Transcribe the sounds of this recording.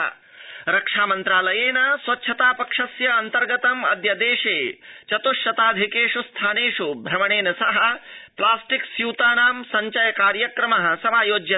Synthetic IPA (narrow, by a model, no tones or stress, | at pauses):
ɐ̰ | ɾɐkʂaːmɐnt̪ɾaːlɐjeːnɐsʋɐtːt͡ʃʰɐt̪aːpɐkʂɐsjɐɐnt̪ɐɾɡɐt̪ɐmɐ̰d̪jɐd̪eːʂeːt͡ʃɐt̪uʃɐt̪aːd̪ʱikeːʂust̪ʰaːneːʂubʱɾɐmɐɳ̃eːnɐsɐɦɐplaːsʈiksjuwt̪aːnaːmsɐɲt͡ʃɐjɐkaːɾjɐkɾɐmɐɦɐ̆sɐmaːjoːd͡ʒjɐ